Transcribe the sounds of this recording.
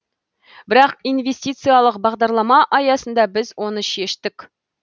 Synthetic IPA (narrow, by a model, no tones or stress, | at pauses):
bɘɾɑqinvʲesʲtʲit̪sɨjalˠəqbɑʁd̪ɑɾlˠɑmɑʔɑjɑsɤ̆nd̪ɑbɘzwonɤɕieʃt̪ɘk